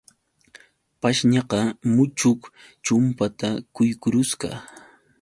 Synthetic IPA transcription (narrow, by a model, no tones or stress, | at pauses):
paʃɲɑqɑmʊt͡ʃʊk | t͡ʃʊmpat̪akʊjkʊɾʊsɢɑ̰